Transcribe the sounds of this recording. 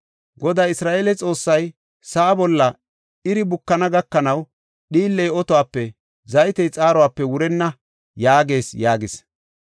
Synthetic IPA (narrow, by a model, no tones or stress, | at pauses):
ɡɔd̪aːɪsɾaːʔeːlɛt͡sʼo̞ːsːɐj | sɐʔːbɔlːɐ | ɪɾɪbʊkːɐnɐɡɐkːɐnɐw | ɗiːlːɛjɔt̪ɔwaːpːɛ | zɐjɪt̪ɛjt͡sʼaːɾɔwaːpːɛwʊɾɛnːɐ | jaːɡe̞ːsjaːɡɪs